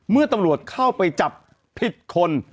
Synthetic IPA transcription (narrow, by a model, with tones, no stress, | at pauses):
mɯ˥˩ɐt̪a˧mɾu˨˩ət̪̚kʰa˥˩wpa˧jt͡ɕa˨˩pʰː | i˨˩t̪̚kʰo˧n